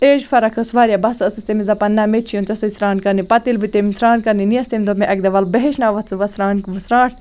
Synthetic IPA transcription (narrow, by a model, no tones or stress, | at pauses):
eːd͡ʒfɐɾɐkʰɐsʋaɾʲjabɐsɐsɨst̪emizɐpɐnːɐmet͡ʃʰijont͡ʃɐsɐisɾaːnkɐɾnipɐt̪ilbit̪emisɾaːnkɐɾniniɐst̪emʲd̪omeʔɐɡ̚d̪ɐʋɐlbɐɦeʃnaːʋɐt̪t͡sʰɨʋɐsɾaːnkʋɨsɾãːʈʰ